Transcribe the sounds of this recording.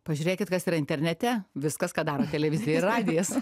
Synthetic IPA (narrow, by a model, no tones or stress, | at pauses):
pɐʒʲʉːɾʲeːkʲɪt̪kɐsiːɾɐɪnʲt̪ʲɛɾʲnʲɛt̪ʲɛʋʲɪskɐskɑːd̪ɑːɾoːt̪ʲɛlʲɛʋʲɪzʲɪjɛɪrrɑːd̪ʲɪjɛs